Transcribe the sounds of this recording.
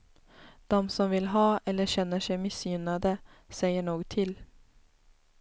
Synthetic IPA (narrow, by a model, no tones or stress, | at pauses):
d̪̥ɔmsɔmvɪlɦɑːʔɛlːəɕɛnːəʂɛɪmɪsjʏnad̪əsɛɪəɳoːɡt̪ʰɪl